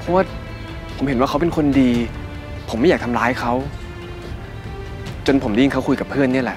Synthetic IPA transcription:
pʰɔ˦˥wa˥˩ | pʰo˩˦mhe˩˦nwaː˥˩kʰa˦˥wp̬e˧nkʰo˧ndiː˧ | pʰo˩˦mː˥˩jaː˨˩k̚t̪ʰa˧mlaː˦˥jkʰa˦˥w | t͡ɕo˧npʰo˩˦mdiː˧ŋkʰa˦˥wkʰu˧jka˨˩pʰɯ˥˩ənːi˥˩ɐlɛ˨˩

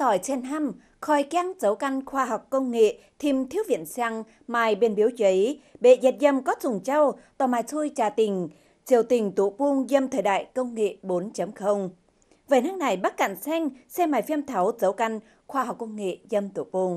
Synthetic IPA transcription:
t̪ɔ˨˩jsɛ˧nɦa˧m | xɔ˨˩jka˧ŋzə˨˦wka˧jŋ̟xwaː˧ɦa˨˩wk͡p̚kːə˧wŋ͡mŋḛ˧˨t̪ʰi˧mt̪ʰi˧˦əwvḭ˧˨ənsaː˧ŋ | maː˨˩jɓe˧nɓi˨˦wt͡ɕə˨˦jɓḛ˧˨zɛ˨˩t̚zə˧˩mkɔ˨˦˥t̚zʊ˨˩ŋ͡mt͡ɕa˧wt̪ɔ˨˩maː˨˩jt̪ʰu˧jt͡ɕaː˨˩t̪ï˨˩ŋ̟ | t͡ɕi˨˧˩əwt̪ï˨˩ŋ̟t̪ṵ˧˩pu˧ŋzə˧mt̪ʰəː˨˧˩jɗa̰ː˧˨jkə˧wŋ͡mŋḛ˧˨ɓo˨˦nt͡ɕə˨˦mxə˧wŋ͡m | vəː˨˩naː˨˧ŋna˨˩jɓa˦˥t̚ka̰˧˨ŋsɛ˧ŋsɛ˧maː˨˩jfi˧əmt̪ʰa˨˦wzə˨˦wka˧jŋ̟ | xwaː˧ha˨˩wk͡p̚kə˧wŋ͡mŋḛ˧˨zə˧mt̪ṵ˧˩˨pu˧ŋ

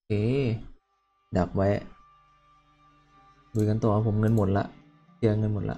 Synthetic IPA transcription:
eː˧˩ | da˨˩k̚wa˦˥j | buː˧˩ŋa˧nt̪ɔː˨˩˨ʔa˧˩pʰo˩˦mŋɤ˧nmo˨˩˦t̪̚la̰˦˥ʔ | t͡ɕʰi˧ɐ˧ŋɤ˧nmo˨˩t̪̚la̰˦˥ʔ

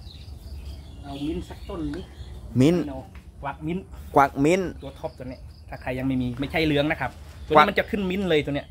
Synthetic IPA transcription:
ʔa˧˩wmi˧˥nsa˧˥k̚t̪o˧˥˩ni˦˧˥mi˧˥n˧kwaː˨˩k̚mi˧˥nkwa˨˩k̚mi˧˥˨nt̪u˧ɐt̪ʰo˧˥p̚t̪u˧ni˧˩ət̪ʰaː˧˩kʰa˧jːa˧ŋma˥˩jmiː˧ma˧˥˩jt͡ɕʰa˥˩jlɯ˧˥əŋna˦˥˩kʰa˦˥p̚t̪u˧˨˧nt͡ɕa˨˩kʰɯ˧˥˩nmi˧˥nlɤː˧jt̪ni˧˥əʔ

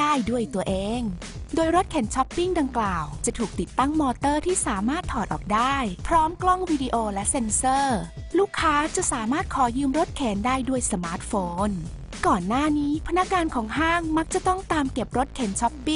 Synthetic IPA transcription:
aː˥˩jdu˥˩əjt̪u˧ɐʔeː˧ŋ | doː˧jɾo˦˥t̪̚kʰɛː˩˦nt͡ɕʰɔ˦˥pːi˥˩ŋda˧ŋklaː˨˩wt͡ɕa˨˩t̪ʰuː˨˩k̚t̪i˨˩t̪ːa˥˩ŋmɔː˧t̪ɤː˥˩t̪ʰiː˥˩saː˩˦maː˥˩t̪ʰːɔː˨˩t̪̚ʔɔ̰ː˨˩k̚daː˥˩jpʰɾɔː˦˥mklɔ˥˩ŋwiː˧di˧ʔoː˧lɛ˦˥ʔse˧nsɤː˥˩luː˥˩kʰːaː˦˥t͡ɕa˨˩saː˩˦maː˥˩t̪̚kʰɔː˩˦jɯː˧mɾo˦˥t̪̚kʰɛː˩˦ndaː˥˩jdu˥˩əjsa˧maː˦˥t̪̚foː˧n | kɔː˨˩nːaː˥˩niː˦˥pʰa˧na˦˥k̚ŋaː˧nkʰɔː˩˦ŋɦaː˥˩ŋma˦˥k̚t͡ɕa˨˩t̪ɔ˥˩ŋt̪aː˧mke˨˩p̚ɾo˦˥t̪̚kʰɛː˩˦nt͡ɕʰɔ˦˥pːi˦˥˩ŋ

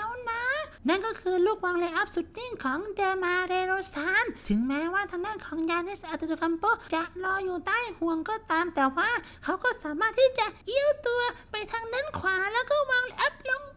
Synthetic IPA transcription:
t̪ʰa˧˩wna˦˥na˥˩nkɔː˧˩kʰɯː˧luː˧˥˩k̚waː˧ŋle˧ʔa˦˥p̚su˨˩t̪̚ni˧˥˩ŋkʰɔː˨˦ŋdeː˧maː˧ɾeː˧ɾoː˧saː˧˥nt̪ʰɯ˨˦ŋmɛː˦˥waː˥˩t̪ʰa˧ŋdaː˧˥˨kʰɔː˩˦ŋjaː˧nha˧˩sa˧ʔa˨˩t̪ːt̪o˧ka˧mpoː˦˥t͡ɕa˨˩ʔlɔː˧juː˨˩t̪aː˧˥˩jhu˨˩əŋkɔː˧˩t̪aː˧mt̪ɛː˨˩waː˥˩ | kʰa˦˥wkɔː˧˥˩saː˨˦maː˥˩t̪ʰːiː˧˥˩t͡ɕa˨˩ʔʔi˧˥əwt̪u˧ɐpa˧jt̪ʰa˧ŋne˦˥˨nkʰwaː˨˩˦lɛː˧˥˩wkɔː˥˩waː˧ŋle˧ʔa˦˥p̚lo˧ŋ

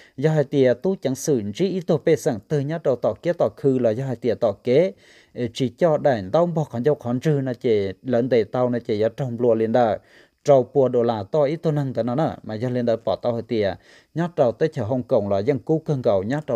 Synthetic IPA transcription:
zɔ˧ɦa˨˩jt̪i˧˨ət̪u˧˦t͡ɕa˨˦ŋsɨ˧˨˩n˨t͡ʃi˧˦ʔi˧˦t̪o˧pe˧˨sa˧˩ŋt̪ɨ˧˩ɲa˧˦˥t̚ɗə˨˧˩wt̪ɔ˧˩ke˧˦t̪ɔ˧˩kʰɨ˧˨laː˨˩zɔ˧ɦa˧jt̪i˨˧˩ət̪ɔ˧˩ke˦˨˩ | t͡ɕi˧˩t͡ɕɔ˧ɗa˨˧˩ɲt̪a˧wbɔ˧˩kʰɔ˨nza˧wkʰɔ˨˦nzɨ˧na˧˩t͡ɕe˧˨˩lə˧˨˦nt̪e˨˩t̪a˧wna˧˩t͡ɕe˧˨˩ja˨˦ə˧wŋ͡mlu˧˩əli˧ənɗa˧˨ | ʈ͡ʂə˧˩wpu˧˩əɗo˧˩laː˧˩t̪ɔ˧ʔi˧˦t̪o˧na˧˨ŋt̪ə˨˦na˧˦na˧˩maː˨˩zɔ˧li˧ənɗaː˧˩pɔ˨˩t̪a˧wha˧˩jt̪i˧˨ə | ɲa˦˥t̚ɗa˨˩wt̪ə˧˦t͡ɕʰə˧˩ɦə˧wŋ͡mkə˧˨wŋ͡mlaː˨˩za˧˨ŋku˧˦kɨ˧ŋkə˨˩˨wɲa˧˦˥t̚a˧˨

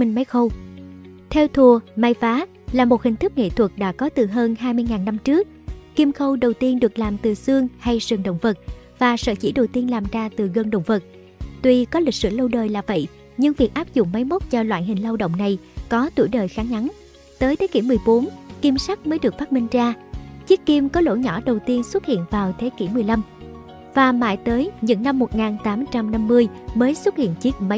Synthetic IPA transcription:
mï˧ŋ̟ma˨˦jxə˧w | t̪ʰɛ˧wt̪ʰu˨˩əmaː˧jfaː˨˦ | laː˨˩mo˨˩t̚hï˨˩ŋ̟t̪ʰɨ˦˥k̚ŋḛ˧˨t̪ʰwə˨˩t̚ɗa̰ː˧˥kɔ˨˦t̪ɨ˨˩ɦəː˧nɦaː˧jmɨ˧əjŋaː˨˩nːa˧mt͡ɕɨ˦˥ək̚ːi˧mxə˧wɗə˨˩wt̪i˧ənɗɨ˨˩ək̚laː˨˩mt̪ɨ˨˩sɨ˧əŋha˧jsɨ˨˩ŋɗo̰˧˨wŋ͡mvə˨˩t̚ | vaː˨˩sə̰ː˧˩t͡ɕḭ˧˩ɗə˨˩wt̪i˧ənlaː˨˩mzaː˧t̪ɨ˨˩ɣə˧nɗə̰˧˨wŋ͡mvə˨˩t̚ | t̪wi˧kɔ˨˦li˨˩k̟̚sɨ̰˧˩lə˧wɗəː˨˩jlaː˨˩və̰˧˨j | ɲɨ˧ŋvi˨˩ək̚ʔaː˦˥p̚zʊ̰˧˨ŋ͡mma˨˦jmə˦˥t̚t͡ɕɔ˧lwa̰ː˧˨jɦï˨˩ŋ̟la˧wɗə̰˧˨wŋ͡mna˨˩jkɔ˨˦t̪ṵ˧˩əjɗəː˨˩jxaː˨˦ŋʔa˨˦n | t̪əː˨˦jt̪ʰe˨˦ki˧˩mɨ˨˩əjɓo˨˦nki˧msa˦˥k̚məː˨˦jɗɨ˨˩ək̚faː˦˥mi˧ŋ̟zaː˧t͡ɕi˦˥əkːi˧mkɔ˨˦lo̰˧˩ɲɔ˧˩ɗə˨˩wt̪i˧ənswə˦˥t̚hḭ˧˨ənvaː˨˩wt̪ʰe˨˦ki˧˩mɨ˨˩əjla˧m | vaː˨˩ma̰ː˧˨jt̪əː˨˦jɲɨ̰˧˥ŋna˧mːo˨˩t̚ŋaː˨˩nt̪aː˨˦mt͡ɕa˧mna˧mːɨ˧əjməː˨˦jswə˦˥t̚hḭ˧˨ənt͡ɕi˦˥ək̚ma˨˦

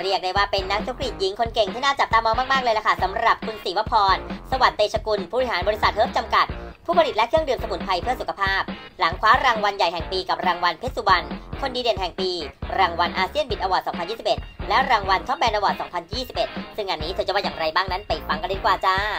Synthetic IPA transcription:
ɾi˥˩ək̚da˥˩jwaː˥˩pe˧nːa˦˥k̚t͡ɕʰo˦˥k̚li˨˩t̪̚ji˨˦ŋkʰo˧nke˨˩ŋt̪ʰiː˥˩naː˥˩t͡ɕa˨˩p̚t̪aː˧mɔː˧ŋmaː˥˩k̚maː˥˩k̚lɤː˧jla˨˧˩kʰa˥˩sa˩˦mra˨˩p̚kʰu˧nsiː˨˦wa˦˥pʰːɔː˧nsa˧wa˨˩t̪ːeː˧t͡ɕʰa˧ku˧npʰuː˥˩ɾhaː˩˦nbɔː˧ɾi˧˥sa˨˩t̪̚hɤː˦˥p̚t͡ɕa˧mka˨˩t̪̚pʰuː˥˩pa˧ɾi˨˩t̪̚lɛ˦˥kʰɯ˥˩əŋdɯː˧˩msa˧mu˩˦t̪̚pʰa˧jpʰɯ˥˩əsu˨˩kʰa˧pʰaː˥˩p̚la˩˦ŋkʰwaː˦˥ɾaː˧ŋwa˧nja˨˩jɦɛ˨˩ŋpiː˧ka˨˩p̚ɾaː˧ŋwa˧npʰe˦˥t̪̚su˧˩wa˧nkʰo˧ndiː˧di˨˩ənɦɛ˨˩ŋpiː˧ɾaː˧ŋwa˧nʔaː˧si˥˩ənbi˨˩ʔa˧wɔː˨˩t̪̚sɔː˩˦ŋpʰa˧njiː˥˩si˨˩pʔe˨˩t̪̚lɛ˦˥ɾaː˧ŋwa˧nt͡ɕʰɔ˦˥p̚bɛː˧nʔa˧wɔː˨˩t̪̚sɔː˩˦ŋpʰa˧njiː˥˩si˨˩p̚ʔe˨˩t̪̚sɯ˥˩ŋːaː˧nːiː˦˥t̪ʰt͡ɕa˧˩waː˧˩jaː˨˩ɾa˧jbaː˥˩ŋna˦˥npa˧j̚a˧ŋka˧ne˧˥˩kwaː˨˩t͡ɕaː˥˩

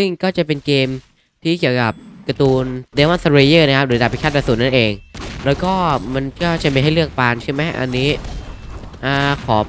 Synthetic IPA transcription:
sɯ˥˩ŋkɔː˥˩t͡ɕa˨˩pe˧nkeː˧m | t̪ʰiː˥˩ki˨˩əwka˨˩p̚ka˧t̪uː˧ndeː˧˦wa˥nsa˧ɾe˧jɯː˥˩na˦˥kʰa˦˥p̚ɾɯː˩˦da˨˩pʰːi˦˥t͡ɕʰaː˥˩t̪̚ɾa˧suː˨˩n̚na˥˩nʔeː˧ŋɾɛː˦˥wkɔː˥˩ma˧nkɔː˥˩t͡ɕa˨˩ma˧ɦa˥˩jlɯ˥˩ək̚paː˧nt͡ɕʰɯ˥˩ma˦˥ʔa̰˧nːiː˦˥ | ʔaː˧kʰɔː˩˦

